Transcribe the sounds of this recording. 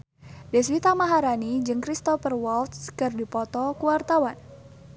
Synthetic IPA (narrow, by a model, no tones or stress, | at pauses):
dɛswit̪amaɦaɾanid͡ʒɨŋkɾist̪ɔfərwɔlt̪skɨrdipɔt̪ɔkuwart̪awan